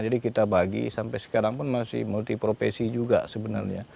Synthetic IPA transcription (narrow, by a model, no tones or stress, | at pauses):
d͡ʒadikit̪abaɡḭsampɛjsə̥kaɾaŋpʊnmasɪ̰hmult̪ipɾofḛsid͡ʒuɡa̰səbəna̰rɲa